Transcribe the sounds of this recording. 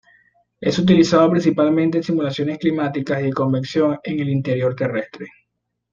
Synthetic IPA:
e̞sut̪̬ilisaðopɾĩns̬ipalmẽnt̪ensimulasjo̞ne̞sklimat̪ikasiko̞mbensjo̞ŋe̞ŋe̞lint̪eɾjo̞ɾt̪e̞re̞st̪ɾe̞

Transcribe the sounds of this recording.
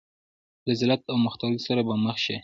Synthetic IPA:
lazɪlat̪̚awməxt̪ɑɾisaɾabaməxʃe

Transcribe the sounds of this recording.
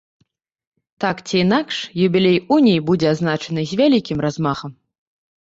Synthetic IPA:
t̪akt͡sʲiːnakʂjubʲilʲejunʲijbud͡zʲɛaznat͡ʂɐnɨzʲvʲalʲikʲimrazmaxɐm

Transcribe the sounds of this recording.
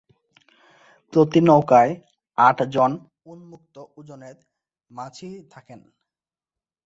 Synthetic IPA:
pɾot̪inɔwkae | aʈʰd͡ʑon | unmuk̚t̪oud͡ʑoneɾ | mat͡ɕʰit̪ʰaken

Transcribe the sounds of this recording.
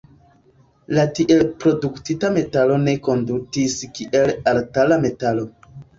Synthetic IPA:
latiʔelpɾo̞duktitame̞talo̞ne̞ko̞ndutiskiʔe̞laltalame̞talo̞

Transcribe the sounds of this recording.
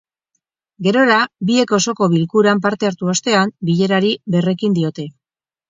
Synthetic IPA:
ɡe̞ɾo̞ɾabie̞ko̞so̞ko̞βilkuɾamp̬aɾt̪e̞aɾt̪uo̞st̪e̞ambiʎe̞ɾaɾiβe̞re̞kind̪io̞t̪e̞

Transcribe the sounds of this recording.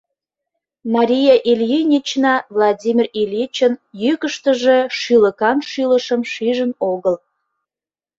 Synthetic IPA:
mɑɾʲijɑʔiljinʲit͡ɕnɑvlˠɑdʲimʲirilʲit͡ɕənjykəʃt̪əʒe̽ʃyləkɑnʃyləʃəmʃiʒənoɣəl

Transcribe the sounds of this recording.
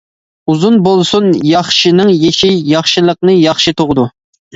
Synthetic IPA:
uzunbolˠsunjɑχʃinɨŋjeʃijɑχʃɨlˠəq̚nɨjɑχʃɨt̪ʰʊʁəd̪u

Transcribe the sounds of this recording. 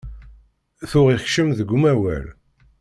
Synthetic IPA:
θʊʁiçʃəmðəɡʷːumæwæ̰l

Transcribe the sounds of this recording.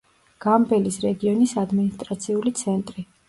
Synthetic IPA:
ɡ̥ambɛlisɾɛɡiɔnisad̪minist̪ʼɾat̪sʰiulit̪sʰɛnt̪ʼɾi

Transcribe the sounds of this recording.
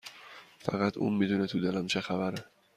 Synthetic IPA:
fæ̰ɣæt̪ʰṵmmid̪unet̪ʰud̪elæmt͡ʃʰexæbæɾe

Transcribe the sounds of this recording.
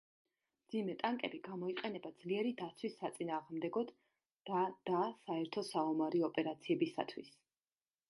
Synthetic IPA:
md̪zimɛt̪ʼaŋkʼɛbiɡamɔiqʼɛnɛbad̪zliɛɾid̪at̪sʰwisːat̪sʼinaːʁmd̪ɛɡɔd̪ | d̪̥ad̪̥asaɛɾt̪ʰɔsaɔmaɾiɔpʼɛɾat̪sʰiɛbisa̰t̪ʰwis

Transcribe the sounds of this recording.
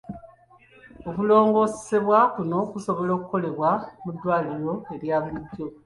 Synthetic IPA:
okulo̞ːŋɡo̞se̥se̞βwakuno̞kuso̞βo̞lo̞ːkuko̞le̞βwamudːwaːliɾo̞e̞ɾjaːβiiɟːo̞

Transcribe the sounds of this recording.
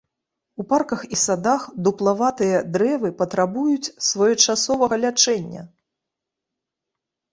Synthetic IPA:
uparkɐxisad̪axd̪uplˠavat̪ɨjɐd̪ɾɛvɨpɐt̪ɾabujut͡sʲsvɔjɔt͡ʂasɔvɐɣɐlʲat͡ʂɛnʲːɐ̰

